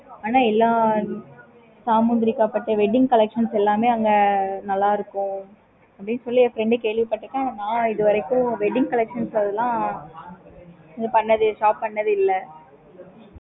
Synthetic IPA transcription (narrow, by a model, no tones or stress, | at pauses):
aːnaːɛlːaː | saːmuːnd̪ɾɪkːaːpɐʈːɯʋɛɖɪŋkɐlɛkʂɐnsɛlːaːmeːɐŋɡɐnɐlːaːɪɾɯkːʊ̃ | ɐpːɐɽɪnːɯsɔlːiɐfɾɛɳɖɯkeːɭʋipɐʈːɯkːãːnãːɪðɯʋɐɾɐɪkːʊ̃ʋɛɖɪŋkɐlɛkʂɐnsɐðɯlãː | ɐŋɡɐpɐɳːɐðɯʂaːppɐɳːɐðɯɪlːɐ